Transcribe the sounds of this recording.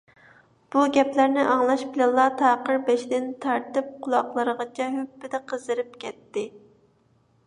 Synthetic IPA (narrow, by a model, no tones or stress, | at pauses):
b̥uɡʲɛplæɾnɪʔɑŋlˠɑʃbɪlɛnlˠːɑt̪ʰɑːqəɾbɛʃd̪ɪnt̪ʰɑɾt̪ɨp̚qʰʊlˠɑqlˠəɾəʁɑt͡ʃʰɛɦøpːɪd̪ɛqʰəzɨɾɨp̚kʲʰɛt̪ːɪ